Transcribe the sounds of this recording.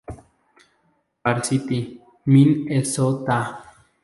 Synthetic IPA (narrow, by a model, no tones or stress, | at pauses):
paɾsit̪i | minesot̪a